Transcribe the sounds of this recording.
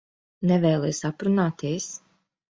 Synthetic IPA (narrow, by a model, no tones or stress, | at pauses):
nɛvɛːlˠɛːsapɾunaːt̪iɛs